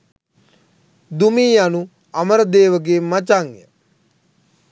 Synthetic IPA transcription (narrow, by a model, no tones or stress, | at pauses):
d̪umiːanu | aməɾəd̪eːʋəɡeːmat͡ʃaŋjə̰